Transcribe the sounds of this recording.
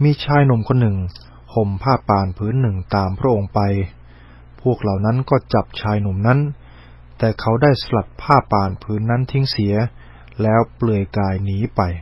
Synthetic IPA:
miː˧t͡ɕʰaː˧jnu˨˩˦mkʰo˧nːɯ˨˩ŋ | ho˨˩mpʰaː˥˩pːaː˨˩npʰɯː˦˥nːɯ˨˩ŋt̪aː˧mpʰɾa˦˥ʔo˧ŋpa˧j | pʰu˥˩ək̚la˨˩wna˦˥nkɔː˥˩t͡ɕa˨˩p̚t͡ɕʰaː˧jnu˨˩˦mna˦˥n | t̪ɛː˨˩kʰa˦˥wdaː˥˩jsla˨˩t̪̚pʰaː˥˩pːaː˧˩npʰɯː˦˥nːa˦˥nt̪ʰi˦˥ŋsi˩˦əɐ | lɛː˦˥wplɯ˧˩əjkaː˧jniː˨˦˥pa˧j

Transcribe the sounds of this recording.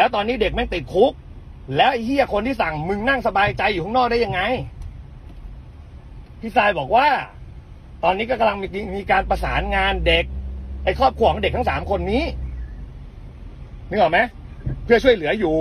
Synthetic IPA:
lɛː˦˥wt̪ɔː˧nːiː˦˥˩de˨˩k̚mɛ˥˩nt̪i˨˩t̪̚kʰu˦˥k̚ | lɛː˦˥wʔhi˥˩ɐkʰo˧nt̪ʰiː˥˩sa˨˩ŋmɯ˧ŋna˥˩ŋsa˧baː˧jt͡ɕa˧juː˨˩t̪ʰɔ˥˩nɔː˥˩k̚daː˥˩ja˧ŋːa˧j | pʰi˦˥˩saː˧jbɔː˨˩k̚waː˥˩ | t̪ɔː˧nːiː˦˥kɔː˥˩ka˧mla˧ŋ˧miː˧kaː˧npa˧saː˩˦nŋaː˧nde˨˩k̚ʔa˧jkʰɔː˥˩p̚ʰu˧˩kɔ˨˩˦ŋde˨˩k̪̚ʰa˥ŋsaː˩˦mkʰo˧nːiː˦˥ | nɯ˧˩ŋʔɔː˨˩ma˦˥j | pʰɯ˥˩ɐt͡ɕʰu˥˩əjlɯ˩˦ɐjuː˨˩

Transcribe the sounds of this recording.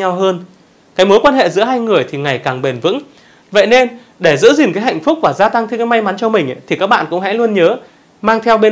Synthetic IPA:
a˧wɦəː˧n | kaː˨˦jmo˨˦jkwaː˧nhḛ˧˨zɨ̰˧˥ɦaː˧jŋɨ˨˩əjt̪ʰi˨˩ŋa˨˩jkaː˨˩ŋɓe˨˩nvɨ̰˧˥ŋ | və̰˧˨jne˧n | ɗe˧˩zɨ̰˧˥zi˨˩ŋkaː˨˦jɦa̰˧˨jŋ̟fʊ˦˥k͡p̚vaː˨˩zaː˧t̪a˧ŋt̪ʰɨ˧ka˨˦ma˧jma˨˦nt͡ɕɔ˧mï˨˩ŋ̟ʔa̰˧˨˦t̪ʰi˨˩kaː˦˥k̚ɓa̰ː˧˨nkʊ̰˧˥ŋ͡mhɛ̰˧˥lu˧ənɲəː˨˦ | maː˧ŋt̪ʰɛ˧wɓe˧

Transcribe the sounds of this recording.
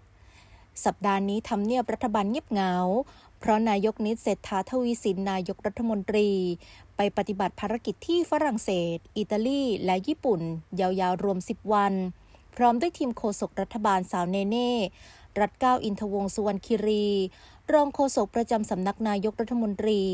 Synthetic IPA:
sa˨˩p̚daː˧niː˦˥t̪ʰa˧mni˥˩əp̚ɾa˦˥t̪ʰːa˧baː˧nŋi˥˩əp̚ŋa˩˦w | pʰɾɔ˦˥naː˧jo˦˥k̚ni˦˥t̪̚seː˨˩t̪ʰːaː˨˦t̪ʰa˧wiː˦˥si˩˦nːaː˧jo˦˥k̚ɾa˦˥t̪ʰːa˧mo˧nt̪ɾiː˧pa˧jpa˧˩t̪i˨˩ba˨˩t̪̚pʰaː˧ɾa˧˥ki˨˩t̪ʰːiː˥˩fa˦˥ɾa˨˩ŋseː˨˩t̪̚ʔi˨˩t̪aː˧liː˥˩lɛ˦˥jiː˥˩pu˨˩njaː˧wjaː˧wɾu˧əmsi˨˩p̚wa˧n | pʰɾɔː˦˥mdu˥˩əjt̪ʰiː˧mkʰoː˧so˨˩k̚ɾa˦˥t̪ʰːa˧baː˧nsaː˩˦wneː˧neː˥˩ | ɾa˦˥t̪̚kaː˥˩wʔi˧nt̪ʰa˧wo˧ŋsu˧wa˧nkʰiː˧ɾiː˧ | ɾɔː˧ŋkʰoː˧so˨˩k̚pɾa˧t͡ɕa˧msa˩˦mna˦˥k̚naː˧jo˧˦˥k̚ɾa˦˥t̪ʰːa˧mo˧nt̪ɾiː˧

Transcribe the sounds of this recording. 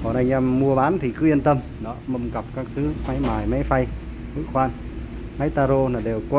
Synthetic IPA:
ɔ˨˩na˧˩jɲa˧˩mːu˧əɓaː˨˦nt̪ʰi˨˩kɨ˨˦ʔi˧ənt̪ə˧m | ɗɔ˨˦mə˧ŋ͡mkə˨˩p̚kaː˦˥k̚t̪ʰɨ˨˦ma˨˦jmaː˨˩jma˨˦jfa˧j | mɨ̰˧˥xwaː˧n | ma˨˦jt̪aː˧ɾo˧naː˨˩ɗe˨˩wkwa˧˦

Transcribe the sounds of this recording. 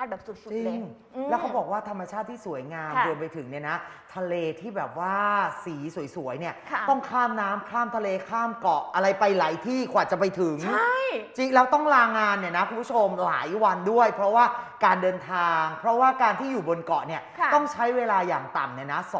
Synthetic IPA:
a˨ɛː˨˩p̚su˨˩t̪̚su˨t͡ɕi˧ŋː | lɛ˦˥wkʰa˦˥wbɔː˨˩k̚waː˥˩t̪ʰa˧mːa˧t͡ɕʰaː˥˩t̪ʰːiː˥˩su˩˦jŋaː˧mɾu˧əmpa˧jt̪ʰɯ˨˩˦ŋni˥˩na˦˥t̪ʰa˧leː˧t̪ʰiː˥˩bɛː˨˩p̚waː˥˩siː˩˦su˩˦jsu˩˦əjni˥˩ɐt̪ɔ˥˩ŋkʰaː˥˩mnaː˦˥mkʰlaː˥˩mt̪ʰa˧leː˧kʰaː˥˩mkɔ˨˩ʔa˧ɾa˧jpa˧jlaː˩˦jt̪ʰiː˥˩kʰu˨aː˨˩t͡ɕa˨˩pa˧jt̪ʰɯ˨˦ŋ˥˩jt͡ɕi˦˩ŋlɛː˦˥wt̪ɔ˥˩ŋɾaː˧ŋaː˧nːi˥˩na˦˥kʰu˧mpʰu˥t͡ɕʰo˧mla̰ː˩˦jwa˧ndu˥˩əjpʰɾɔ˦˥waː˥˩kaː˧ndɤː˧nt̪ʰaː˧ŋpʰɾɔ˦˥waː˥˩kaː˧nt̪ʰiː˥˩juː˨˩bo˧nkɔ˨˩ni˥˩t̪ɔ˥˩ŋt͡ɕʰa˦˥jweː˧laː˧jaː˨˩ŋt̪a̰˨˩mni˥˩na˦˥s

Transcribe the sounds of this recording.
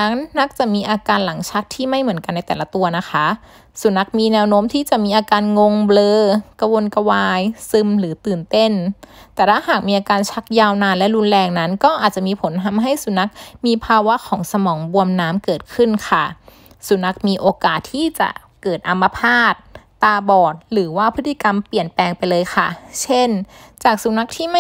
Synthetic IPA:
a˦˥ŋna˦˥k̚t͡ɕa˨˩miː˧ʔaː˧kaː˧nla˩˦ŋt͡ɕʰa˦˥k̚t̪ʰiː˥˩ma˥˩jmɯ˩˦nka˧nːa˧jt̪ɛː˨˩la˧˦t̪u˧ɐna˦˥kʰa˦˥ | su˨˩˦na˦˥k̚miː˧nɛː˧wnoː˦˥mt̪ʰiː˥˩t͡ɕa˨˩miː˧ʔaː˧kaː˧nŋo˧ŋblɤː˧ka˧wo˧nka˧waː˧jsɯ˧mlɯː˩˦t̪ɯː˨˩nt̪e˥˩nt̪ɛː˨˩t̪ʰaː˥˩haː˨˩k̚miː˧ʔaː˧kaː˧nt͡ɕʰa˦˥k̚jaː˧wnaː˧nlɛ˦˥lu˧nlɛː˧ŋna˦˥nkɔː˥˩ʔaː˨˩t̪̚t͡ɕa˨˩miː˧pʰo˨˩˦nt̪ʰa˧mɦa˥˩jsu˩˦na˦˥k̚miː˧pʰaː˧wa˦˥ʔkʰɔː˩˦ŋsa˧mɔː˩˦ŋbu˧əmnaː˦˥mkɤː˨˩t̪̚kʰɯ˥˩nkʰa˥˩ | su˩˦na˦˥k̚miː˧ʔoː˧kaː˨˩t̪ʰːiː˥˩t͡ɕa̰˨˩ʔ | kɤː˨˩t̪̚ʔa˧mːa˧pʰaː˥˩t̪̚ː | aː˧bɔː˨˩t̪̚ɾɯː˩˦waː˥˩pʰɯ˦˥t̪ʰːi˧˩ka˧mpli˨˩ənpɛː˧ŋpa˧jlɤː˧jxʰa˥˩t͡ɕʰe˥˩nt͡ɕaː˨˩k̚su˨˩˦na˦˥k̚t̪ʰiː˥˩ma˥˩

